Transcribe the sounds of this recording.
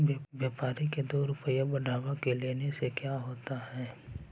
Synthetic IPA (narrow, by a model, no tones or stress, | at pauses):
bjaːpaːɾiked̪oːɾʊpəjabɐɖʱaːʋakeleːnesekjaːɦoːt̪aɦɛː